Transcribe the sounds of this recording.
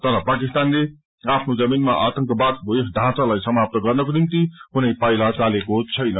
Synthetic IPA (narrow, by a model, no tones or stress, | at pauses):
t̪ʌɾʌpakist̪anle | apʰnod͡zʌminmaʔat̪ʌŋkʌbat̪esd̪ʱãt͡salajsʌmap̚t̪ʌɡʌrnʌkonimt̪ikunʌjpajlat͡salekot͡sʰʌjnʌ